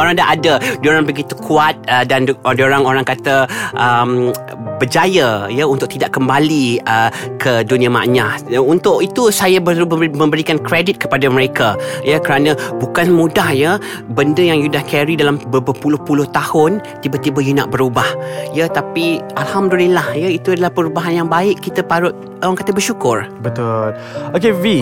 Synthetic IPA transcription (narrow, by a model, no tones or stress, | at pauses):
oɾaŋdaʔadadoɾaŋbəɡit̪ukʰuat̪̚ədandoɾaŋoɾaŋkat̪əʔəm | bəd͡ʒajəjəunt̪ʊʔ̚t̪idaʔkəmbaliəkʰədunĩama̰ʔɲasunt̪ʊʔit̪usajabəmə̃mbəɾikankɾedit̪̚kə̥padaməɾekajəkəɾanə̃bukanmũdahjə | bəndəjaŋjudahkɛɾidalambəbəpulʊhpulʊht̪ahʊnt̪ibət̪ibəjuna̰ʔbəɾubahjət̪apiʔalhamdulilahjəit̪uadalahpəɾubaɦanjaŋbaɪʔkːit̪əpaɾʊt̪̚ | aaŋkat̪əbərʃukʊrbət̪ʊl | okevi